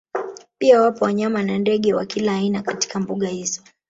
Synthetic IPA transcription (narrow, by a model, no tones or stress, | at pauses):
piawapɔwaɲamanandɛɠɛwa̰kilaːinakati̥kambuɠahizɔ